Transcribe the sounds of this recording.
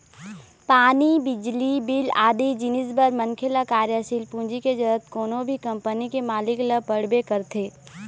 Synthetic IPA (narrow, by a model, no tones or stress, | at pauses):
paːnibɪd͡ʒlibilaːd̪id͡ʒɪnɪsbəɾməŋkʰɪlakaːɾjaːʃiːlpũːnd͡ʒiked͡ʒəɾət̪koːnõbʱikɐ̃mpənikemaːlɪkləpəɽbekəɾt̪ʰeː